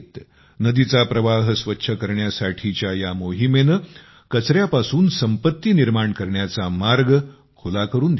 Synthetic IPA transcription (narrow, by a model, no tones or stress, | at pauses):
t̪ | nəd̪it͡sapɾəʋaɦsʋətːɕʰəkəɾɳjasaʈʰit͡ɕjajamoɦimenə | kət͡sɾjapasuːnsəmpət̪ːiːniɾmaɳkəɾɳjat͡samaɾɡ | kʰulakəɾuːnd̪